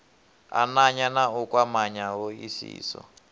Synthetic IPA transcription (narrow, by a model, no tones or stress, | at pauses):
a̰naɲanaukwamaɲaɦoisḭːsɔ̰